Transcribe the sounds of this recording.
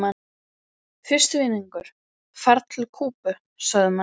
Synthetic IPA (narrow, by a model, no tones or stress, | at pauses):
a | fɪr̥st̪ʏviːniŋkʏɾ̥ | faɾt̪ʰlkʰuːpʏ | saɣðɪma